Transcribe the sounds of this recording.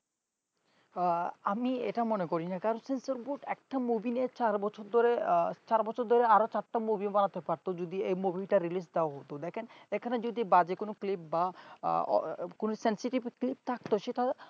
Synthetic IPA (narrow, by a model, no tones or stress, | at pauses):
amiḛʈamonekoɾinakaɾonsensoɾbuʈɛk̚ʈamubinet͡ɕaɾbɔt͡ɕʰoɾd̪oɾet͡ɕaɾbɔt͡ɕʰoɾd̪ʱoɾeaɾot͡ɕaɾʈamubibanat̪epaɾt̪od͡ʑud̪iejmubʱiʈaɾilis̬d̪eoaɦot̪od̪ɛkʰenekʰaned͡ʑod̪ibad͡ʑekonoklip̚ba̰ɔ̰konosensiʈibklip̚t̪ʰak̚t̪oʃeʈa